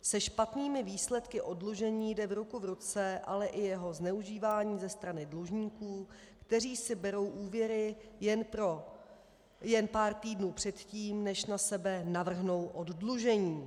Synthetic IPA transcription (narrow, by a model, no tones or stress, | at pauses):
sɛʃpat̪niːmɪviːslɛt̪kɪʔo̞dluʒɛɲiːjdɛvɾukuvɾut͡sɛʔa̰lɛʔɪjɛɦo̞znɛuʒiːvaːɲiːzɛst̪ɾanɪdluʒɲiːkuː | kt̪ɛr̝iːsɪbɛɾo̞wʔuːvjɛɾɪjɛnpɾo | jɛnpaːɾt̪iːdnuːpr̝̥ɛt̪ciːmnɛʃnasɛbɛnavr̩ɦno̞wʔo̞ddluʒɛɲiː